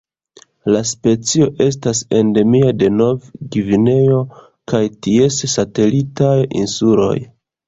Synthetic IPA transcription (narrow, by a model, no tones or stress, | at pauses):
laspe̞t͡sio̞ʔe̞s̬tase̞nde̞miade̞no̞vɡivine̞jo̞ | kajtie̞ssate̞litajḭnsulo̞̰j